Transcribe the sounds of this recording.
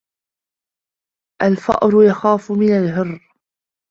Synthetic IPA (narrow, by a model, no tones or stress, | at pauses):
ʔalfɑ̰ʔɾʊjaxaːfʊmɪnalɦɪrː